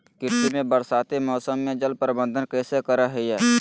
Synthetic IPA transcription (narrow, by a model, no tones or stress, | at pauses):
kɪɾt̪imẽbəɾsaːt̪emɔːsəmːẽd͡ʒəlpəɾɪbə̃nd̪ʱənkɛːsekəɾaɦɛiɛː